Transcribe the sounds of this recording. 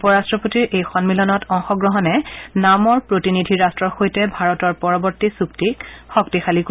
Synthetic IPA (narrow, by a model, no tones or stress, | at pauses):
pɔɹastɹɔpotiɹʔejxɔnmilɔnɔtɔŋxɔɡɹɔɦɔnɛnamɔɹpɹotinidʱiɹastɹɔɹxojtɛbʱaɹɔtɔɹpɔɹɔbɔɹtisuktikxɔktixalik